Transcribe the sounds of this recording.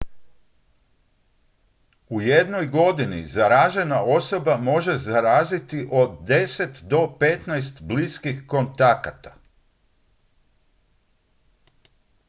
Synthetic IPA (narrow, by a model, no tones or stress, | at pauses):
uje̞d̪no̞jɡo̞d̪inḭzaɾaʒe̞naʔo̞so̞bamo̞ʒe̞zaɾaːzit̪iʔo̞d̪d̪e̞se̞t̪d̪o̞pet̪najst̪bliskixko̞nt̪akat̪ḁ